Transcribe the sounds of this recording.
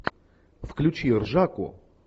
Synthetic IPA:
fklʲʊt͡ɕirʐakʊ̰

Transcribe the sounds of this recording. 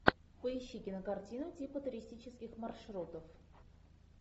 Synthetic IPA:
pəɪɕːikʲɪnəkartʲinʊtʲipət̪ʊɾʲɪsʲtʲit͡ɕɪskʲɪxmarʂrot̪əf

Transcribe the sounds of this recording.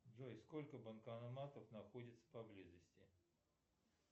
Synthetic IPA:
d͡ʒojskolʲkəbənkɐnɐmat̪əfnɐxodʲɪt̪sə̥pɐblʲizəsʲtʲɪ

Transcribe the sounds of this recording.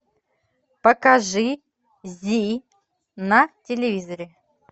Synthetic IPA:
pɐkaʐɨ | zʲi | nɐtʲelʲɪvʲizɐɾʲɪ

